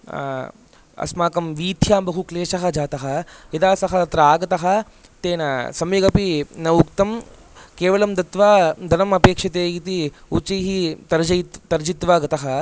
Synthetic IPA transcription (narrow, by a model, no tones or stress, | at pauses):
ɐ̰smaːkɐmʋiːt̪ʰjaːmbɐɦukleːʃɐɦɐd͡ʒaːt̪ɐɦɐid̪aːsɐɦɐt̪ɾaːɡɐt̪ɐɦɐ̆ | t̪eːnɐsɐmiɡɐpinɐʋukt̪ɐm | keːʋɐlɐmd̪ɐt̪ʋaːd̪ʱɐnɐmɐpeːkʂɐt̪eːɡit̪iut͡ʃɐjɦit̪ɐɾd͡ʒɐt̪ɐɾd͡ʒit̪ʋaːɡɐt̪ɐɦɐ